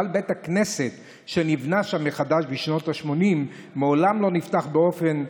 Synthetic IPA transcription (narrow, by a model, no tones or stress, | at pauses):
albet̪hakne̞se̞t̪ | ʃenivnaʃamːeχad̪aʃbiʃno̞t̪aʃmo̞nimː | eolamlo̞nift̪aχbeo̞fe̞n